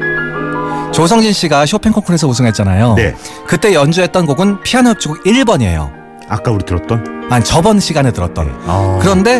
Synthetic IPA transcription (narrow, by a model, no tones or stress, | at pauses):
t͡ɕosʰʌŋd͡ʑinɕ͈iɡaɕ̬ʰopʰe̞ŋkʰoŋkʰuɾesʰʌusʰɯŋɦe̞t̚t͡ɕ͈anajonḛ | kɯt͈e̞jʌnd͡ʑuɦe̞t̚t͈ʌnɡoɡɯnpʰianʌp̚t͡ɕ͈iɡoɡiɭbʌɲiḛjo̰ | a̰k͈auɾitɯɾʌt̚t͈ʌnaɲit͡ɕʌbʌnɕʰiɡanetɯɾʌt̚t͈ʌnkɯɾʌnde̞